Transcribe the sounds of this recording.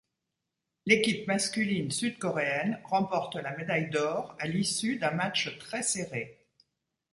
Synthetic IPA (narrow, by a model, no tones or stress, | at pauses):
lekʲipmaskʲylinsyd̪̚kɔʁeɛnʁɑ̃pɔʁt̪lamed̪ajd̪ɔːʁalisyd̪ɛ̃mat͡ʃt̪χɛseʁe